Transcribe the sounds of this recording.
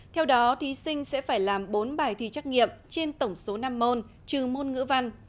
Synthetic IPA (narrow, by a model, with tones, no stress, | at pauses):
t̪ʰɛ˧wɗɔ˨˦t̪ʰi˨˦sï˧ŋ̟sɛ̰˧˥faː˧˩jlaː˨˩mɓo˨˦nɓaː˨˧˩jt̪ʰḭ˧˨t͡ɕa˦˥k̚ŋḭ˧˨əmt͡ɕe˧nt̪ə˧˩wŋ͡mso˨˦naː˧mːo˧n | t͡ɕɨ˨˩mo˧nŋɨ̰˧˥əva˧n